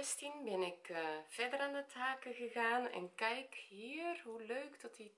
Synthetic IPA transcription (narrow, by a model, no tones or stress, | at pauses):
ɛstinbɪnɪkv̥ɛdəɾaːndətʰaːkəɣəɣaːnɛ̰nkɛjkɦhiːərɦuløːkdɔti